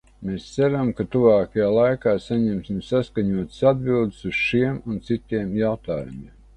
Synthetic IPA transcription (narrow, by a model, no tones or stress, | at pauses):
meːst̪sæɾamkat̪uvaːkajaːlˠajkaːsaɲɛmsimsaskaɲuɔt̪sad̪̚bilˠd̪ɪsuz̥ʃiɛmunt̪sit̪iɛmjawt̪aːjumḭɛm